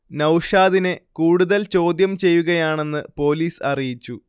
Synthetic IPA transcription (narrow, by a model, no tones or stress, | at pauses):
nɐwʂaːðinekuːɽuðɐlt͡ɕo̞ːd̪jɐmt͡ɕe̞jːuɣɐjaːɳe̞nːɨpo̞ːliːsɐrijit͡ɕːu